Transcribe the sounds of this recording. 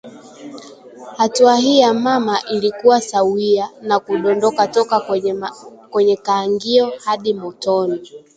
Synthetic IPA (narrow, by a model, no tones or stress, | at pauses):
hatuaɦiːjamamaʔilikuwasawianakuɗɔndɔkatɔka | kwɛɲɛkaːŋɡiɔhaɗimɔtɔni